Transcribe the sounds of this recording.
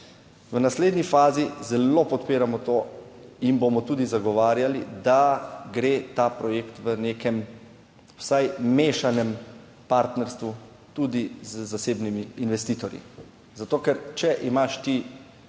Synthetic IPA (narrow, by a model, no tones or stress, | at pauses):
ʋənasleːd̪nifaːzizɛlopɔt̪peːɾamɔt̪oːinbomɔt̪uːd̪izaɡɔʋaːɾjalid̪aɡɾeːt̪apɾɔjeːkt̪ʋənekɛm | wsajmeːʃanɛm | paɾt̪nɛɾst̪ʋu | t̪uːd̪izzaseːbnimiːnʋɛst̪iːt̪ɔɾjḭ | zat̪oːkɛɾt͡ʃɛʔimaʃt̪i